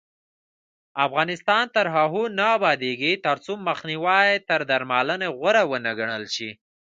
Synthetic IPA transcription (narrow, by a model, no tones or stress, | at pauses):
afɣɑnɪst̪ɑnt̪əɾɦaɦonaːbɑd̪eɡit̪əɾt͡soməxniwɑjet̪əɾd̪aɾmɑləneɣəɾawənaɡaɳəlʃi